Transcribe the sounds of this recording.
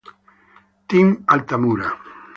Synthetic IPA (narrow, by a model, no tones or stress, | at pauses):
t̪iŋalt̪amuɾa